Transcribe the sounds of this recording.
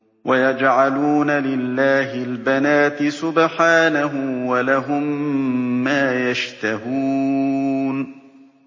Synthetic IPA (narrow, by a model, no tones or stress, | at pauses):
wʔajad͡ʒʕaluːnalɪlːaːɦɪlbanaːt̪ɪsʊbħaːnaɦʊwalaɦʊmː | aːjaʃt̪aɦuː | n